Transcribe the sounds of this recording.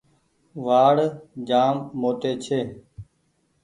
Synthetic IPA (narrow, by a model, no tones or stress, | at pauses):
ʋaːɽd͡ʒaːmːoːʈ̪eːt͡ʃʰeː